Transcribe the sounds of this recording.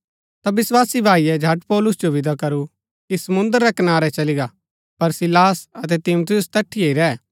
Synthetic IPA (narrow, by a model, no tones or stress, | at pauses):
t̪abɪswaːsibʱaːijɛd͡ʒʱɐʈpɔːlʊsd͡ʒoʋɪd̪ʱakɐɾu | kisɐmʊ̃nd̪əɾːɛkɐnaːɾɛt͡ʃɐlɪɡa | pɐɾsɪlaːsɐt̪ɛt̪ɪmʊt̪ʰɪjʊst̪ɛʈʰːieːiɾɛː